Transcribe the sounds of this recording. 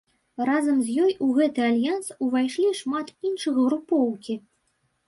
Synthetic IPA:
razɐmzʲjɔjuɣɛt̪ɨalʲjansuvajʂlʲiʂmat̪inʂɨɣɣɾupɔwkʲi

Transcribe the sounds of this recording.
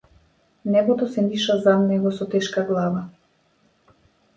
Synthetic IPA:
nɛɡɔt̪ɔsɛniʃazad̪nɛɡɔsɔt̪ɛʃkaɡlˠava

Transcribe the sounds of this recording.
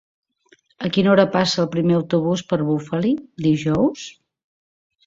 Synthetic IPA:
əkinɔɾəpasəːlˠpɾimeəwt̪uβ̞uspəɾβufəlid̪iʒɔws

